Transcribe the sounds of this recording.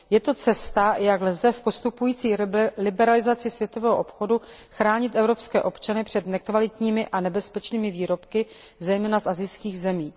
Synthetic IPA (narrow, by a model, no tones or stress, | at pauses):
jɛt̪o̞t͡sɛst̪ajaɡlzɛfpo̞st̪upujiːt͡siːlɪbɛɾalɪzat͡sɪsvjɛt̪o̞vɛːɦoʔopxo̞duxɾaːɲɪt̪ʔɛvɾo̞pskɛːʔo̞pt͡ʃanɪpr̝̥ɛd̪nɛkvalɪt̪ɲiːmɪʔanɛbɛspɛt͡ʃniːmɪviːɾo̞pkɪ | zɛjmɛːnasʔazɪjskiːɣzɛmiː